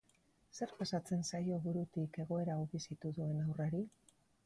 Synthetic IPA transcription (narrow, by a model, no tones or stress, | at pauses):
se̞ɾpasat͡se̞nsajo̞βuɾut̪ike̞ɣ̞o̞e̞ɾauβisit̪uðue̞nawraɾi